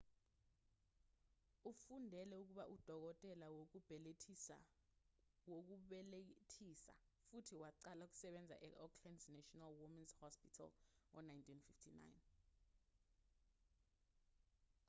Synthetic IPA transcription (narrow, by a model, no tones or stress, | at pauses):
ufundʱɛlɛuk̬uɓaʔud̥ʱɔk̬ɔtʼɛlawok̬ub̥ʱɛlḛ | wok̬uɓɛletʰisa̰ | futʰiwaǀalauk̬u̥sɛɓɛnd͡zʱa̰ʔɛʔɔkʰlɛndznatʰɔnalwumanzhɔspitʰa̰lɔ̰najntʰʼinfiftʰina̰jn